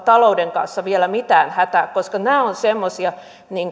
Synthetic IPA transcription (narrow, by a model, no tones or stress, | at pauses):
t̪ɑloudeŋkɑ̰nsːɑʋielæmit̪æːnhæt̪æːkkoskɑnæːonsemːosiɑ | niːŋ